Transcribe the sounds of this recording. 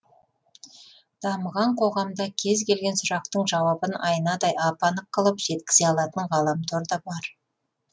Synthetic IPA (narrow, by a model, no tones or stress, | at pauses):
d̪̥ɑməʁɑɴqʰo̞ʁɑmd̪ɑkʲʰe̞zkʲe̞lɡʲe̞nsʊɾɑq̚t̪əɴʒɑwɑbənɑjənɑd̪ɑjɑpɑnəqːəlˠəpʒ̥e̞t̪kʲɪ̥zeɑlˠɑt̪əɴʁɑlˠɑmt̪ʰoɾd̪ɑbɑɾ